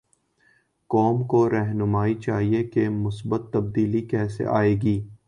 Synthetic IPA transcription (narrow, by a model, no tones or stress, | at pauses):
kɔːmkoɾɛɦnʊmaːit͡ʃaːɦiekemʊsbət̪ːɐb̚d̪iːlikɛːsḛʔa̰ːeːɡiː